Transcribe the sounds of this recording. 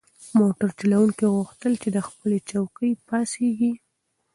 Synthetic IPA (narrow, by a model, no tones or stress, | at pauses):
moʈaɾt͡ʃilawuŋkiɣuxt̪əlt͡ʃed̪əxpəlet͡ʃawkəjpɑseɡi